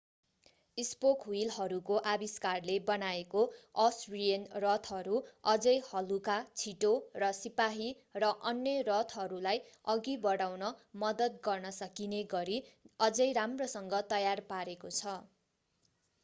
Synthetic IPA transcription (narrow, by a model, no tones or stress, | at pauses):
ispokwilɦʌɾukoʔabiskarlebʌnaekoʌsrijʌnrʌt̪ʰʌɾuʌd͡zʌjhʌlukat͡sʰiʈorʌsipaɦi | rʌʔʌnjʌrʌt̪ʰɦʌɾulaj | ʌɡibʌɽawnʌmʌd̪ʌt̪̚ɡʌrnʌsʌkineɡʌɾiʌd͡zʌjɾamrosʌŋɡʌt̪ʌjarpaɾekot͡sʰʌ